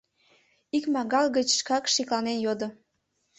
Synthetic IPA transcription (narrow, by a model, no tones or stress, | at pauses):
ikmɑɣɑlɣət͡ɕʃkɑkʃiklɑnenjod̪ŏ